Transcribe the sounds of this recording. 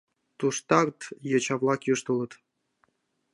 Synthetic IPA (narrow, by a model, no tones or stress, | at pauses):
t̪uʂt̪ɑrt̪jɤ̆t͡ɕɑʋlˠɑkjuʂt̪ɤlˠɤ̆t̪